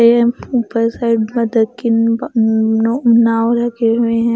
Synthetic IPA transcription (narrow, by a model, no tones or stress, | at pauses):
eɛ̃upəɾsaɪɖmɐd̪əd̪̚ke | naːwɾɐkʰeɦʊeɦɛ̃